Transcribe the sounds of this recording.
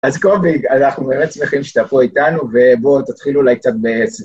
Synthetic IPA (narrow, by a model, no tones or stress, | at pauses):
azkobiɡanaχnube̞ːmetsmeχimʃe̥t̪afoit̪anuve̞bo̞t̪at̪χilulajk̚t͡sat̪̚bes